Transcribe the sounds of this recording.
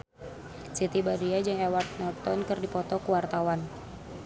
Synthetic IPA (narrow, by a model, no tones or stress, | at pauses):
sit̪ibadiad͡ʒɨŋɛwart̪̚nɔrt̪ɔnkɨrdipɔt̪ɔkuwart̪awan